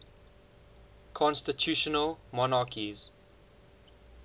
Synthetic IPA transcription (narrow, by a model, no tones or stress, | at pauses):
kʰɔ̃nstɪtʰjuʃənəlmɔnaːkʰiz̥